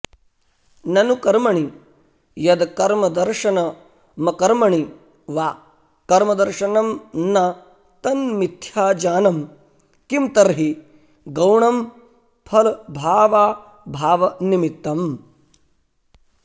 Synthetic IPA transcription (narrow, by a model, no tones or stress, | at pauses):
nɐnukɐɾmɐɳi | jɐd̪kɐɾmɐd̪ɐɾʃɐnɐ | mɐkɐɾmɐɳi | ʋaː | kɐɾmɐd̪ɐɾʃɐnɐmnɐ | t̪ɐnmit̪ʰjaːd͡ʒaːnɐm | kimt̪ɐɾɦi | ɡɐwɳɐm | pʰɐlbʱaːʋaː | bʱaːʋɐnimit̪ːɐm